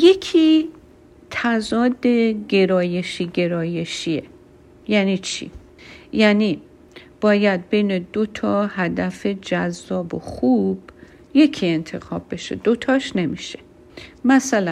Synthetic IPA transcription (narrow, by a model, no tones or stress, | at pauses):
je̞kʰiː | t̪ʰæzɒːd̪eɟe̞ɾɒːje̞ʃiːɟe̞ɾɒːje̞ʃie | jæniːt͡ʃʰḭː | jæniː | b̥ɒːjæd̪̚be̞jne̞d̪o̞t̪ʰɒːhæd̪æfe̞d͡ʒæzːɒːboxub̥ | je̞cʰie̞nt̪ʰe̞xɒːbːe̞ʃḛd̪o̞t̪ʰɒːʃne̞miʃe | mæsælæ